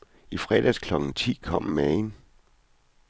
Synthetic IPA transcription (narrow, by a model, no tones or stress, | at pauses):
ifʁɛd̥æskʰlɒ̽ɡ̥n̩t͡sʰḭːkʰɒ̽m̰mɛn